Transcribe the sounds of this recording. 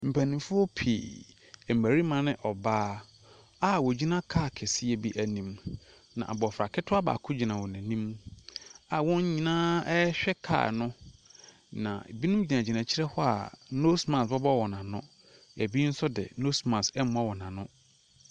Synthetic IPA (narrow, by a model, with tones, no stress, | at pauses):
m̩˨pʰæ˨nĩ˨mfʊ˦ɔ˦pʰḭ˨ | m̩˨mæ˨ɾi˦mã˨nɪ̃˦ʔɔ˨baː˦ | a˦wɔ˨d͡ʑi˦nã˦kʰa˦˨kʰɛ˨sɪ˦ɛ˨bi˦ʔæ˨nĩ˨m | nã̰˨a˨bɔ˨fɾa˨kʰɪ˦tʰʊ˦a˦ba̰ː˨kʰʊ˦d͡ʑi˨nã˨wɔ̃˨næ̃˨nĩ˦m | a˨wɔ̃˦ɲ˦ɲĩ˨nãː˦ɛ˦ɕᶣɛ˦kʰa̰ː˨nʊ̃˦ | nã̰˨bi˦nũ˦m˦d͡ʑi˨nã˨d͡ʑi˨nã˨t͡ɕʰɪ˦ɾɛ˦hɔ˦a̰˨no˦smã˨sbɔ˦bɔ˦wɔ˨nã˨nʊ̰̃˦ | æ˨bi˦n̩˦sʊ˦dɪ̰˨no˦smã˨sɛ˦m˦a˦wɔ˨nã˨nʊ̃˦